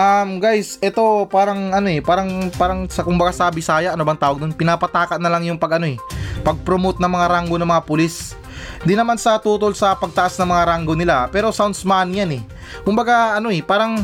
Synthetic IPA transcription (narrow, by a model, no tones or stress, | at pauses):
ʔɐmɡajsʔɛt̪o̞paːɾɐŋʔɐno̞ɛpaːɾɐŋpaːɾɐŋsɐkʊmbɐɡasɐbɪsaːjɐʔɐnobɐŋt̪aːwɐɡd̪onpɪnaːpɐt̪aːkɐnɐlaŋjʊŋpɐɡʔɐno̞ɛpɐɡ̚pɾomot̪̚nɐŋmɐŋaɾaŋɡo̞nɐŋmɐŋapʊlis | d̪ɪnɐmansɐt̪uːt̪olsɐpɐɡ̚t̪ɐʔasnɐŋmɐŋaɾaŋɡo̞nɪlapɛːɾo̞sawnsmanjanɛ | kʊmbɐɡaʔɐno̞ɛpaːɾɐŋ